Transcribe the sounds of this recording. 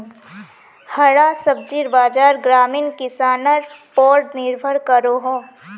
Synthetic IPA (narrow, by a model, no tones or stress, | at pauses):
hɐɽasəb̚d͡ʒiɾbaːd͡ʒaːɾɡɾaːmiːnkɪsaːnəɾpɔːɾɖnɪɾbʱəɾkəɾoɦõː